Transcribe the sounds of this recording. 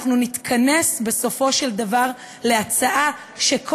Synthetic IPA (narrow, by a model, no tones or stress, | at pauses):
χnunitkʰane̞sbe̞so̞fo̞ʃe̞ldavaʁ | leat͡saʔa | ʃekʰ